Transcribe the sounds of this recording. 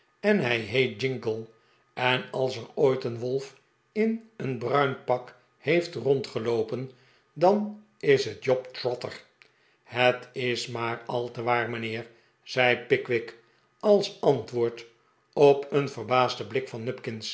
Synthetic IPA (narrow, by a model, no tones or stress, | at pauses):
ɛnɦɛjɦejt̚d͡ʒɪŋɡəlˠ | ɛnɑlˠsərojtənʋɔlˠf | ɪnənbrœɥnpɑk | hejftrɔntχəlowpən | dɑn | ɪsɦətjɔptrɔtə̰r | hətɪsmaːɹɑlˠtəʋaːɹmənɪːɹ | z̥ɛjpɪkʋɪk | ɑlˠsɑntʋʊːɹt | opənvərbaːzdəblɪkfɑnːɵpkɪns